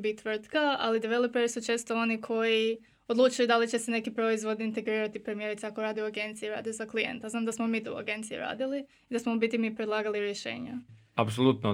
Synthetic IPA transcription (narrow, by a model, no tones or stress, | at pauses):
bit̪ːʋr̩t̪kaa̰lid̪iʋelˠopeɾisut͡ʃe̞ːst̪oo̞nikʰo̞ji | o̞d̪luːt͡ʃujud̪alit͡ʃe̞sene̞kipɾo̞izʋo̞d̪niint̪e̞ɡɾiːɾat̪ipɾemijeɾit̪seakoɾaːd̪ɛuaɡe̞nt̪sijeɾa̰ːd̪ezaklijḛnt̪aznaːmd̪asmomiːt̪ṵa̰ɡe̞nt̪sijṵɾa̰ːd̪ili | id̪asmobit̪imipɾed̪lˠaːɡaliɾjeʃe̞̰ːɲa̰apsolˠut̪no